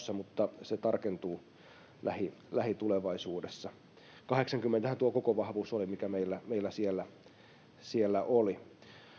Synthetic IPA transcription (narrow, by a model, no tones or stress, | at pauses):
sːɑmut̪ːɑset̪ɑrkent̪uː | lʔæhilæhit̪uleʋɑisuːdesːɑ | kɑheksɑŋkymːent̪æhænt̪uokokoʋɑhʋuːsolimikæmeilːæmeilːæsielːæ | sielːæʔoli